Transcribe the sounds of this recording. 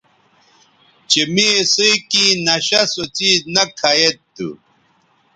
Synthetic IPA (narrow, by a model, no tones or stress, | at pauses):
t͡ɕemisukĩnɐɕɐsot͡ɕinɐkʰajet̪ːṵ